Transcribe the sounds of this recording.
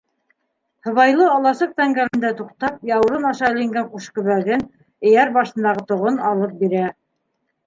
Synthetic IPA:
hɤ̆βɑjlˠɤɑlˠɑsɤq̚t̪æŋɡælɘ̆nd̪æt̪uqt̪ɑp̚jɑwɤ̆ɾɤnɑʃɑɘ̆lɘ̆ŋɡæɴquʃkɵ̆βæɡɘn | ɘ̆jæɾbɑʃɤ̆nd̪ɑʁɤt̪ŏʁonɑlˠɤp̚biɾæ

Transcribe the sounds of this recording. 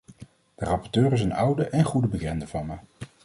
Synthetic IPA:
d̥ərɑpɔɹtøːɾɪs̬ənʌwdəʔɛnχudəbəkɛndəvɑnmə

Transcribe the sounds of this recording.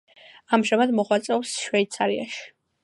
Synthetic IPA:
amʒamad̪mɔʁwat̪sʼɛɔwsʃvɛit̪sʰaɾia̰ʃi̥

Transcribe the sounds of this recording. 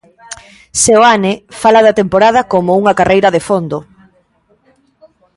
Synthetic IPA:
seoanɪfalɐðɐt̪empoɾað̞ɐkomʊuŋɐkarʔejɾɐðefond̪ʊ

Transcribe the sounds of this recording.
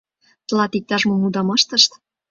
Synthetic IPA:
t̪əlɑt̪ik̚t̪ɑʃmomud̪ɑmɑʃt̪ə̆ʃt̪

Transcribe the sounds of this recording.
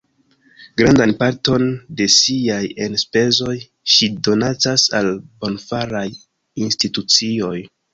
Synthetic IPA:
ɡ̥ɾandanpaɾto̞nde̞siajenspe̞zo̞j | ʃido̞nat͡sasalbo̞nfaɾaj | institut͡sio̞j

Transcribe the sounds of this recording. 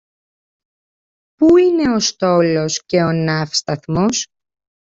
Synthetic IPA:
puine̞o̞st̪o̞lo̞sce̞o̞nɐfst̪ɐθmo̞s

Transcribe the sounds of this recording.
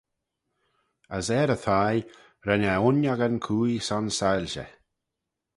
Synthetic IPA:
əsɛːɾəθʰaj | ɾɛnaʊnjaɡənkʰuːjsɔnsajlʲʃə̰

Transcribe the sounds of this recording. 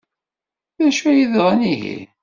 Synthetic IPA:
ðæʃæjiðʁˤæniʝḭ

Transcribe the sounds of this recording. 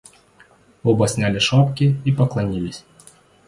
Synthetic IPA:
ɔbɐsʲnʲalʲɪʂapkʲɪipɐklˠɐnʲilʲɪsʲ

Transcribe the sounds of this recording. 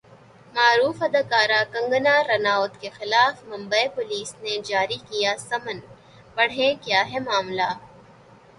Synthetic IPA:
maːɾuːfɐd̪ɐkaːɾakɐ̃ŋɡənaɾɐnaːʊt̪kexɪlaːfmɐ̃mbəepʊliːsned͡ʒaːɾikijasɐmən | pɐɽ̤ɦẽkjaːɦɛmaːmla

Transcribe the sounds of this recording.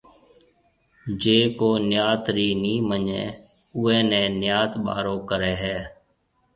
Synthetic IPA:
d͡ʒeːkoːnjaːt̪ɾiːnĩːməɲḛ̃ː | ʊːɛ̃ːnɛ̃ːnjaːt̪ɓa̰ːɾõːkəɾeːɦɛː

